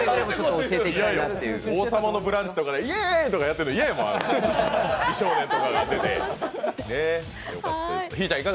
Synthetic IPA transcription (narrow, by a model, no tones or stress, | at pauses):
ɾemot͡ɕooseːt̪eaijot̪ːeoːsamano̞bɯ̟ɾãɲd͡ʑi̥t̪o̞kad̪eiet̪o̞kajat̪ːeɾɯniajma̰ | iɕoːnẽnt̪okaɡat̪ːet̪ḛne | joa̰t̪çiːt͡ɕãikaɡ